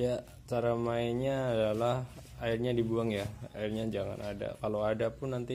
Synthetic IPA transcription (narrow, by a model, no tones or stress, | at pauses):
ja | t͡ʃaɾamaɪnɲaːdalah | aɪrɲadibuaŋjaaɪrɲad͡ʒaŋa̰nada̰kalawadapʊnːant̪i